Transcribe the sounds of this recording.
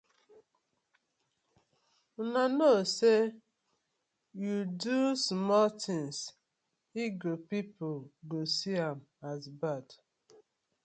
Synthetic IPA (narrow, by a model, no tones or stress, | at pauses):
nanose | judusmɔltɪ̃ŋs | iɡopipoɡosiamazbad